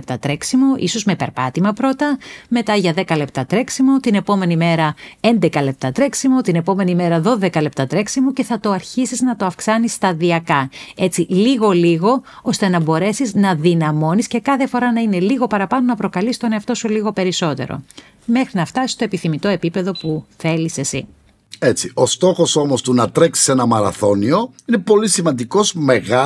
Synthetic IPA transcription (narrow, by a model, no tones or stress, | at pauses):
p̚t̪ɐt̪ɾe̞ksimo̞ʔḭso̞zme̞pe̞ɾpɐt̪imɐpɾo̞t̪ɐme̞t̪ɐʝɐðe̞kɐle̞p̚t̪ɐt̪ɾe̞ksimot̪ine̞po̞me̞nime̞ɾɐend̪e̞kɐle̞p̚t̪ɐt̪ɾe̞ksimo̞t̪ine̞po̞me̞nime̞ɾɐðo̞ðe̞kɐle̞p̚t̪ɐt̪ɾe̞ksimuce̞θɐt̪o̞ɐɾçisiznɐt̪o̞ɐfksɐnisːt̪ɐðiɐkɐe̞t͡siliɣo̞liɣo̞ | ost̪e̞nɐbo̞ɾe̞siznɐðinɐmo̞nisce̞kɐθe̞fo̞ɾɐnɐine̞liɣo̞pɐɾɐpɐnonɐpɾo̞kɐlist̪o̞neɐft̪o̞suliɣo̞pe̞ɾiso̞t̪e̞̰ɾo̞̰ | me̞xɾinɐft̪ɐsist̪o̞epiθimit̪o̞e̞pipe̞ðo̞puθe̞lise̞sḭ | e̞t͡sio̞st̪o̞xo̞so̞mo̞st̪unɐt̪ɾe̞ksi̥se̞nɐmɐɾɐ̰θo̞nio̞ine̞po̞lisimɐnd̪iko̞zme̞ɣɐ